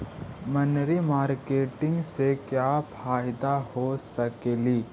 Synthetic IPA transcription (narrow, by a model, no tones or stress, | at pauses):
mənɾimaːɾkeːʈɪ̃ŋɡsekjapʰaːɪd̪ahosɐkeːliː